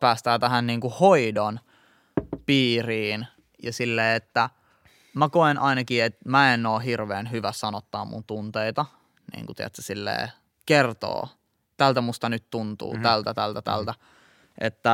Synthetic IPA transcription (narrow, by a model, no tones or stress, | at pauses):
pæːst̪æːt̪æɦænniːŋkuhoidon | piːriːn | jɑsilːeːet̪ːæ | mækoenʔɑinɑkiet̪̚mæenːoːɦirʋeːnhyʋæssɑnot̪ːɑːmmṵnt̪unt̪eit̪ɑ | nḭːŋkut̪iæ̰t̪sesilːḛː | kert̪o̰ː | t̪ælt̪æmust̪ɑnyt̪t̪unt̪ṵːt̪ælt̪æt̪ælt̪æt̪æ̰lt̪æ | ʔḛt̪ːæ